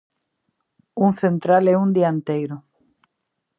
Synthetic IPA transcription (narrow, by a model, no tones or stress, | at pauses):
uŋθent̪ɾalɛund̪iaent̪ejɾo